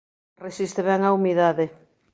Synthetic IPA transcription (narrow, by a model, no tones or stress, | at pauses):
resist̪eβɛŋaumiðaðe